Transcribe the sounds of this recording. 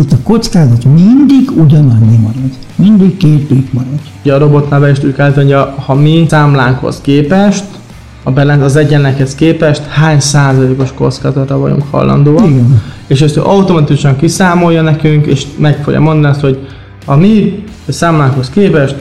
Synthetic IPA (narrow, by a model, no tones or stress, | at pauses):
it̪ːɒkot̪skaːzɒt̪mind̪iɡuɟɒnɒɲːimɒɾɒd̪ | mind̪iɡkeːt̪ːik̪mɒɾɔd̪̥uɟɛːɾo̞bo̞t̪navɛiʃt̪ykɛlːt̪oɲɟɒhɒmisaːmlaːŋkho̰skeːpɛʃt̪ | ɒbɛlɛnt̪ɒzɛɟɛnːɛkhɛskeːpɛʃt̪haːɲsaːzɒleːko̞ʃko̞̰t̪skaːzɒt̪ɒvɒ̰ɟṵŋkhɒ̰lːʔɒ̰nd̪oːɒniɡɛn | eːʃɛst̪ø̰ʔɒut̪o̞mɒt̪ikuʃɒŋkisaːmo̞jːɒnɛkyŋkḛːʃmɛkfoɡjɒ̰mo̞nd̪ɒniɒst̪ho̞ɟ | hɒmi | saːmlaːŋkho̞skeːpɛʃt̪